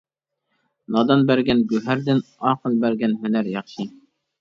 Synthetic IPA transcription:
nɑd̪ɑnbæɾɡʲɛnɡɵɦæɾd̪ɪnɑqɤlˠbæɾɡʲɛnmɪnæɾjɑqʃi

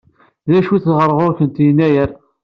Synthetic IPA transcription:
ðæʃwiθðʁəɾˤːʁʊɾkənt̪jənːæjəɾ

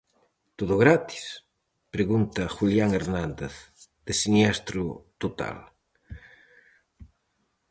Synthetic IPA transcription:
t̪oðʊɣɾat̪i̥s | pɾeɣunt̪ɐxuljaŋeɾnand̪eθð̥esinɛst̪ɾʊt̪ot̪a̰l

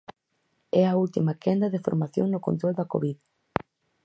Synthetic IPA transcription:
ɛɐult̪imɐkɛnd̪ɐðɪfo̰ɾmaθjo̰ŋnʊko̰nt̪ɾold̪ɐko̰βið

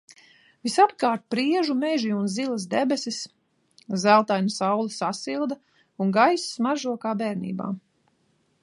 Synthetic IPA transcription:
visapkaːɾt̪̚pɾiɛʒumeʒiunzilˠas̬d̪ɛbɛsis | zælˠt̪ajnasawlˠasasilˠd̪ɐ | unɡajssmaʒuɔkaːbɛːɾnḭːba̰ː

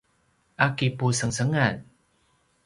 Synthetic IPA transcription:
ʔakipusəŋsəŋan

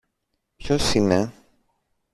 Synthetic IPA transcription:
pçosine

